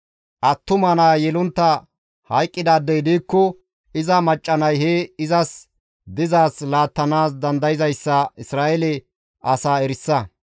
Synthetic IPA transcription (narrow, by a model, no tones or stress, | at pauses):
ʔɐt̪ːʊmɐnaːjɛlʊnt̪ːɐ | hɐjkʼːɪd̪aːd̪ɛjd̪iːkːɔ | ɪzɐmɐt͡ʃʼːɐnɐjɦɛɪzɐs | d̪ɪzaːslaːt̪ːɐnaːsd̪ɐnd̪ɐjɪzɐjsːɐɪsɾaːʔɛlɛ | ʔɐsaːɛɾɪsːɐ